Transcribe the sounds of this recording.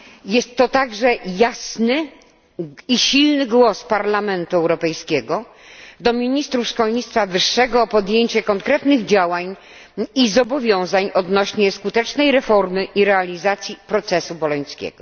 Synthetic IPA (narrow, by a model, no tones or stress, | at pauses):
jɛst̪ːɔt̪aɡʐɛjasnɘ | iɕilnɘɡwɔspaɾlamɛnt̪uɛwɾɔpɛjskʲɛɡɔ | d̪ɔmʲiɲist̪ɾufʂkɔlɲit̪st̪favɘʂːɛɡɔːpɔd̪jeɲt͡ɕɛkɔŋkɾɛt̪nɘɣd͡ʑawaɲ | izɔbɔvʲjɔ̃w̃zaɲɔd̪nɔɕɲɛskut̪ɛt͡ʂnɛjɾɛfɔɾmɘʔiɾɛalʲizat̪sʲjipɾɔt̪sɛsubɔlɔɲskʲɛ̰ɡɔ